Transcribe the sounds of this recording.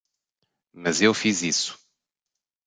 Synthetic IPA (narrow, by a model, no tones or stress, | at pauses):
mɐzewfizisu̥